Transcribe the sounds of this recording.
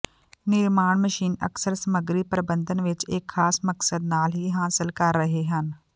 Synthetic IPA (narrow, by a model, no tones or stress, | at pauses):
nɪɾmaːɽ̃məʃiːnə̰ksəɾsɐməɡɾipɾəbə̃nd̪ʱənʋɪt͡ʃeːkʰːaːsməksəd̪naːlɦiɦaːsəlkɐɾːəɦeɦən